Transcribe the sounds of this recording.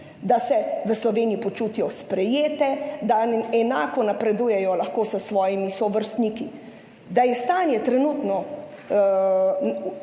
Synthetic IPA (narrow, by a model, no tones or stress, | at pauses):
d̪asɛʋəslɔʋeːnijipɔt͡ʃuːt̪ijɔspɾɛjeːt̪ɛd̪aɛnaːkɔnapɾɛd̪uːjɛjɔlaxkoːsəsʋɔːjimisɔʋəɾst̪niki | d̪ajɛst̪aːnjɛt̪ɾɛnuːt̪nɔ